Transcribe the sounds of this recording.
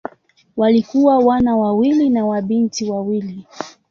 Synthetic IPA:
walikuwawanawawilinawaɓintiwawili

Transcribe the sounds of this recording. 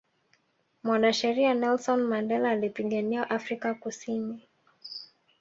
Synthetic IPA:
mwanaʃɛɾiaanɛlsɔnmandɛlaːlipiɠaniaʔafɾikakusini

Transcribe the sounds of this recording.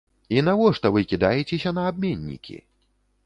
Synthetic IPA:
inavɔʂt̪ɐvɨkʲid̪ajɛt͡sʲesʲɐnɐːb̚mʲenʲːḭkʲʰḭ

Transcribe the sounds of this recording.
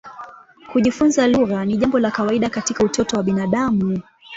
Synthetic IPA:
kuʄifunzaluɣaniʄambɔlakawaiɗakatikautɔtɔwaɓinaɗamu

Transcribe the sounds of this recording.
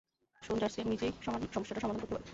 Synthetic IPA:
ʃond͡ʑaɾsiamid͡ʑejʃɔmoʃʈaʈaʃɔmad̪ʱonkoɾt̪ebɔɾ

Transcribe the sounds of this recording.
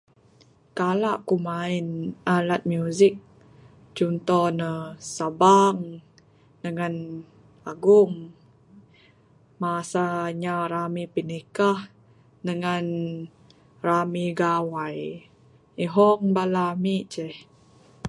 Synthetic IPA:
kalaʔkumainʔalat̪̚mjuzik̚ | t͡ʃunt̪ɔnəsabaŋ | dəŋan | aɡuŋ | masaɲaɾamipinikah | dəŋan | ramiɡawaj | iɦɔŋbalamiʔt͡ʃɛh

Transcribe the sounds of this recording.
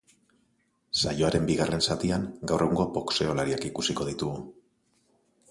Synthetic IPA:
sajo̞aɾe̞mbiɣare̞nsat̪iaŋɡawrʔe̞ɣ̞uŋɡo̞po̞kse̞o̞laɾiakikusiko̞ð̞it̪uɣu

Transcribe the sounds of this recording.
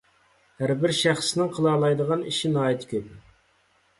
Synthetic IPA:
hæɾbɪɾʃæχsnɪŋqʰəlˠɑlˠɑjd̪əʁɑniʃinɑːit̪ʰkʲʰøp

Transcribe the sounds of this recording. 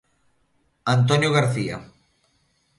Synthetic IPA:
ant̪̬onjoɣaɾθia̰

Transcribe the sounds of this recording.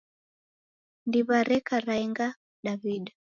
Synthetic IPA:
ndiβaɾɛkaɾaiŋɡa | ɗaβiɗa

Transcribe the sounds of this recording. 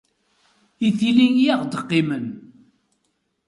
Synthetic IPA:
iθiliŋjaʁd̪əqːimən

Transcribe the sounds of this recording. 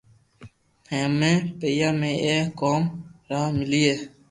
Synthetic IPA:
hẽːmẽːpeːjaːmẽːʔeːkoːmɾaːmɪliːeː

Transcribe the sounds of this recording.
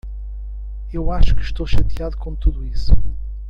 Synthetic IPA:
ewaʃu̥kɨʃt̪oʃɐt̪jaðukõt̪uðuisu̥

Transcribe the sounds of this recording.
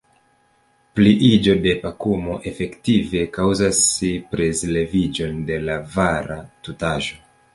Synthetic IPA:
pliʔid͡ʒo̞de̞pakumo̞ʔe̞fe̞ktive̞kawzasipɾezle̞vid͡ʒo̞nde̞lavaɾatutaʒo̞

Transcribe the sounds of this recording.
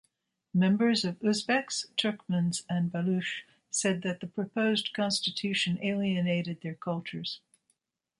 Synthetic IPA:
mɛ̃mbə˞zʌvʉzbɛkstʰɜ˞kmə̃nzɨ̃nbəlʉʃ | sɛd̪̚ðɨt̪̚ðəpʰɹ̥ɨpʰoʊzkʰɑ̃nstɨtʰʉʃɨ̃neɪlˠiɨneɪɾɨd̪̚ðə˞kʰʌlˠt͡ʃə˞z̥

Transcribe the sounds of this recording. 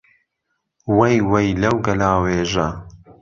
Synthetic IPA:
wɐjwɐjlɐwɡɐlaːweːʒɐ

